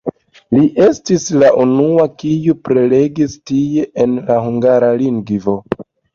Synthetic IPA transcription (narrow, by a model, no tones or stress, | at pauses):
liʔe̞stislaʔunuakijupɾe̞le̞ɡistie̞ʔenlahuŋɡaɾaliŋɡvo̞